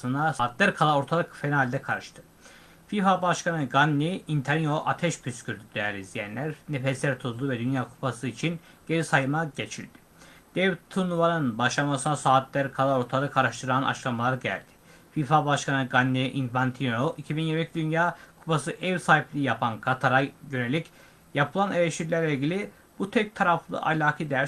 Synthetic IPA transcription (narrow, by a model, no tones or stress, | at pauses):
sɯnaːt̪lʲæɾkʰalˠao̞ɾt̪ʰalˠɯkfenalʲd̪ɛkʰaɾɯʃt̪ʰɯ̥ | fifabaʃkanɯɡanʲːiint̪ʰanijoʔat̪ʰɛʃpʰyscʰyɾd̪yd̪ejæɾizd̪ijænlʲæɾnefeslæɾt̪ʰuzˠd̪uvɛd̪ynjaːkʰu̥pasɯit͡ʃʰin | ɟ̥e̞ɾisajɯmaɟe̞t͡ʃʰilʲd̪̥i̥ | d̪̥evit̪ʰːunuvanɯnbaʃlˠamasɯnasaːt̪lʲæɾkʰalˠaɾoɾt̪ʰalˠɯkʰaɾaʃt̪ʰɯɾanʔa̰t͡ʃlˠamalˠaɾɟæ̰lʲd̪̥ɪ̥ | fifabaʃkanɯɡanːɛʔinfant̪ʰinoʔicʰibinjiɾmicʰid̪ynjaːkʰu̥pasɯʔɛvsaːɦiplʲijapʰankʰat̪ʰaɾajø̞ne̞lʲic | japʰɯlˠanelʲeʃt̪iɾʲæɾlʲɛilʲɟʲilʲi | b̥ut̪ʰɛc̚t̪ʰaɾaflˠɯ̰ʔa̰lʲaːkʰɯd̪æɾ